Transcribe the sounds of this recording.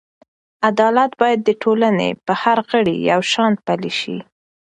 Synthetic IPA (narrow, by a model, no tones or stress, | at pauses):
ad̪ɑlat̪bɑjad̪ːəʈʰolanḛpəhaɾɣəɽḭjawʃɑnt̪̚paliʃḭ